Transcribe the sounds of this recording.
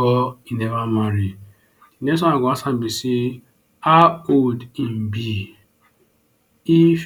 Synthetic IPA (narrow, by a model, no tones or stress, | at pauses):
ɔinemamaɾi | nes̬ɔaɡɔasam̩bisi | aodim̩bi | if